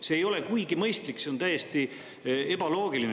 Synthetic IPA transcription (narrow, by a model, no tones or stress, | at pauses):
se̞ːjo̞le̞kujɡimɤjst̪likseo̞nt̪æjest̪i | e̞bɑlo̞ːɡilin